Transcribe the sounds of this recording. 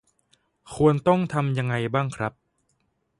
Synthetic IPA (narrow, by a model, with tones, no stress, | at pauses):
kʰu˧ənt̪ɔ˥˩ŋt̪ʰa˧mja˧ŋːa˧jbaː˥˩ŋkʰɾa˦˥p̚